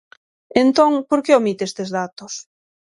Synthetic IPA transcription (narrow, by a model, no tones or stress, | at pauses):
ent̪oŋpoɾkeomit̪est̪ezðat̪os